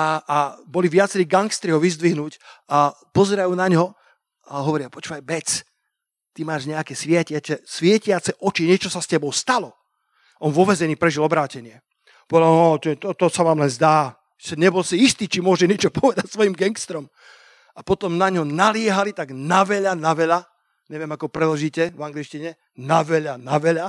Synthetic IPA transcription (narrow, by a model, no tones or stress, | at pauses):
aabɔliʋɪat͡sɛɾiːɡaŋkst̪ɾiɦɔʋizd̪ʋiɦnuːca | pɔzɛɾajunaɲɦɔ | aɦɔʋɔɾiapɔt͡ʃʋajbɛt͡s | t̪imaːʒɲɛakɛsʋɪɛcɪat͡sɛsʋɪɛcɪat͡sɛʔɔt͡ʃiɲɛt͡ʃɔsascɛbɔʊst̪alɔ | ɔnʋɔʋɛzɛniːpɾɛʒilɔbɾaːcɛɲɪɛ | pɔʋɛlat̪ɛt̪ɔt̪ɔsaʋaːmlɛnzd̪aː | sɛɲɛbɔlsiist̪iːt͡ʃimʊɔʒɛɲɪɛt͡ʃɔpɔʋɛd̪acsʋɔjimɡɛŋkst̪ɾɔm | apɔt̪ɔmnaɲɦɔnalɪɛɦalit̪aɡnaʋɛʎanaʋɛʎa | ɲɛʋɪɛmakɔpɾɛd̪lɔʒiːcɛvaŋɡlit͡ʃciɲɛ | naʋɛʎanaʋɛʎa